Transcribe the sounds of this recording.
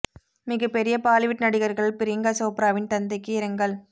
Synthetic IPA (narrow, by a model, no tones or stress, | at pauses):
mɪɣɐpːɛɾɪjɐpaːlɪʋɪʈːnɐɽɪɣɐɾɣɐɭpɪɾɪŋɡaːsoːpɾaːʋɪnt̪ɐnd̪ɐɪkːɯɪɾɐŋɡɐɭ